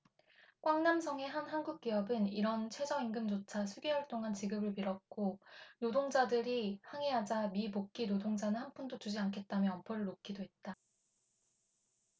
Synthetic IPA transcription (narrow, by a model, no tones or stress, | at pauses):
kwaŋnamsʰʌŋe̞ɦanɦanɡuk̚k͈iʌbɯniɾʌnt͡ɕʰwe̞d͡ʑʌiŋɡɯmd͡ʑot͡ɕʰasʰuɡiɦʌɭt͈oŋɦant͡ɕiɡɯbɯɭpiɾʌt̚k͈onodoŋd͡ʑadɯɾihaŋeɦad͡ʑamipok̚k͈inodoŋd͡ʑanɯnhanpʰundot͡ɕud͡ʑiankʰe̞t̚t͈amjʌʌmpʰʌɾɯɭːok̚k͈idoɦe̞t̚t͈a